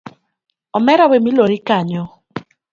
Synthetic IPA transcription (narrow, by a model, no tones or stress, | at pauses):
ɔmɛɾawemiloɾɪkaɲɔ